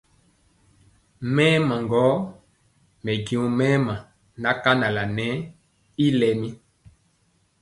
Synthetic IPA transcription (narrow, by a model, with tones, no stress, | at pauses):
mɛː˦mã˨ŋɡɔ˨˦ | mɛ˨ɡĩ˨u˨mɛ˦mã˨ | na˨˦ka˦na˨la˨nɛ˨˦ | i˦lɛ˨mi˦